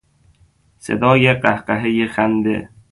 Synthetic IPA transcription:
sḛd̪ɒːjeɢæhqæɦejexænd̪ḛ

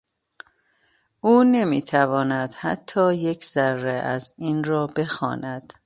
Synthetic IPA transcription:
uːne̞mḭːt̪ʰævɒːnæd̪̥hæ̰t̪ʰːɒːje̞cʰz̥ærːeæziːnrɒːbe̞xɒ̰ːnæd̪̥

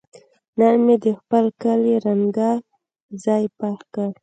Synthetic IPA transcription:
nanmed̪əxpəlkəliɾaŋɡa | zɑjpaxkəɾ

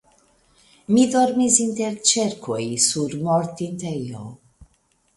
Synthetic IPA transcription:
mido̞ɾmisint̪eɾt͡ʃeɾkʰojsuɾmoɾt̪int̪ejo̰

